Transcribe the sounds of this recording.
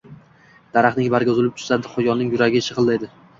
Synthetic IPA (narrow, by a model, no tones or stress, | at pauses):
d̪̥aɾaχnɪŋbaɾɡʲʊzɪlɪp̚t̪ʰʊ̥zad̪ɪχʊjɒnɪŋjʊɾaɡʲɪʃʰɨʁɨlˠːajd̪ɪ